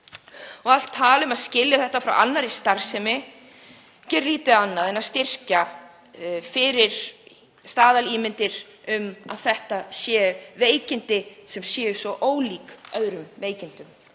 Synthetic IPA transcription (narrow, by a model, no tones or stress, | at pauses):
ɔɣal̥t̪ʰːaːlʏmaðscɪljaθɛht̪afɾawanːaɾist̪aɾ̥sɛmɪ | cɛɾliːt̪ɪanːaðɛnaðst̪ɪr̥ca | fɪɾɪɾ̥ | st̪aːðaliːmɪnt̪ɪɾ̥ | ʏma̰ðθɛht̪asjɛːveːjcɪnt̪ɪsɛmsjɛːʏsvɔʔoːwliːkœðɾʏmveːjcɪnt̪ʏm